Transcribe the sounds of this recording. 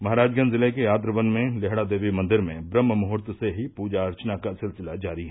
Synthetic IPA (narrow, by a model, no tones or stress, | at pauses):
mɐɦaːɾaːd͡ʒɡənzɪlekejaːt̪ɾəʋənmẽleɦɽad̪eːʋimɐ̃nd̪ɪɾmẽbɾəmːəmʊɦʊɾt̪seɦipuːd͡ʒaɾt͡ʃənakasɪlsɪlad͡ʒaːɾiɦɛː